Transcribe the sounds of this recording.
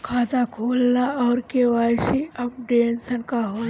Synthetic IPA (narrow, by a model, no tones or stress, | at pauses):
kʰaːt̪akʰoːlnaɔːɾkeʋaːʃiɐpɖeːnsənkaɦon